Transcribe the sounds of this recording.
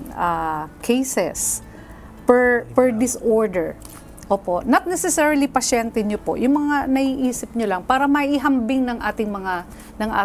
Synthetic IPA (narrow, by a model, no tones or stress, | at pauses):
akʰɛjsɛs | pɛɹpɛɹd̪ɪsʔoɹd̪ɛɹ | ʔoːpo̞ʔnɐt̪̚nɛsɛsɛɹilipɐʃɛnt̪ɛɲopo̞̰ʔjʔʊŋmɐŋanɐʔiːʔiːsɪp̚ɲolɐŋpaːɾɐmɐʔiɦɐmbɪŋnɐŋʔaːt̪ɪŋmɐŋa | nɐŋʔa̰ː